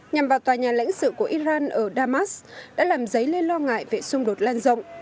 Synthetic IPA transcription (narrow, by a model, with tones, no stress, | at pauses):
ɲa˨˩mvaː˨˩wt̪waː˨˩ɲaː˨˩la̰˧˥jŋ̟sɨ̰˧˨ku˧˩əʔi˧zaː˧nʔəː˧˩ɗaː˧maː˦˥sɗa̰ː˧˥laː˨˩mzə˨˦jle˧nlɔ˧ŋa̰ː˧˨jve˨˩sʊ˧ŋ͡mɗo˨˩t̚laː˧nzə̰˧wŋ͡m